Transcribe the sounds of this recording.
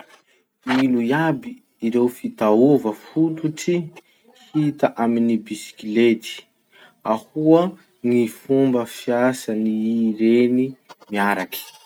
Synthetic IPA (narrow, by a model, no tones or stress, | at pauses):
ilujabiː | ɾewfit̪aovəfut̪uʈ͡ʂi | hit̪aʔaminibisi̥kilet̪i̥ | ahuə | ŋifumbəfiasaniɾenimiaɾaki̥